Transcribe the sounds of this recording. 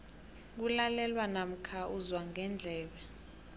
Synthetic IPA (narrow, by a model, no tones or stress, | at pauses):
k̬ulalɛlwanam̩kʰauzwaŋʱɛnd͡ɮʱɛːɓɛ